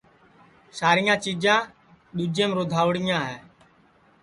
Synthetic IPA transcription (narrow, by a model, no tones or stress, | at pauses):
saːɾɪjãːt͡ʃiːd͡ʒãː | ɗuːd͡ʒẽːmɾoːd̪ʱaːʋɽɪjãːɦɛː